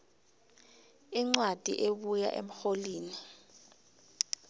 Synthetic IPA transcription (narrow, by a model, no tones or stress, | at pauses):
iŋ͡ǀwad̥ʱḭʔeɓuja̰ʔḛm̩xoliːni